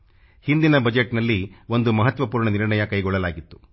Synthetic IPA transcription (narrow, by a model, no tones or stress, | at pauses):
hind̪inɐbɐd͡ʒeʈnɐlːiʋo̞nd̪umɐɦɐt̪ʋɐpuːɾɳɐniɾɳɐjɐkɐjɡɔɭːɐlaːɡit̪ːu̥